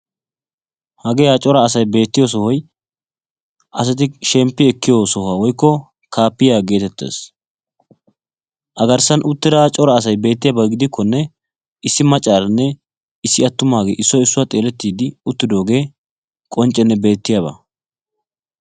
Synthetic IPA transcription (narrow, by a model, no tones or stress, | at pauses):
hɐɡɛjaːt͡ʃʼɔɾɐːsɐjbe̞ːt̪ːɪjoːs̬ɔhɔj | ʔɐs̬ɐt̪̬ɪʃɛmpːɪɛkːɪjoːsɔhaːwɔjkːɔ | kʰaːpːɪjaːɡe̞ːt̪ɛt̪ːe̞̰ːs | ʔɐɡɐɾsɐnʔʊt̪ːɪd̪aːt͡ʃʼɔɾɐːs̬ɐjbe̞ːt̪ːɪjaːbɐɡɪd̪ɪkʰːɔnːɛ | ɪsːɪmɐt͡ʃʼːaːɾɐnːɛ | ɪsːɪɐt̪ːʊmaːɡḛːʔɪsːɔɪsːʊwaːt̪ʼeːlɛt̪ːiːd̪ɪʊt̪ːɪd̪o̞ːɡe̞ː | kʼɔnt͡ʃʼːɛnːɛbe̞ːt̪ːɪjaːbɐ̰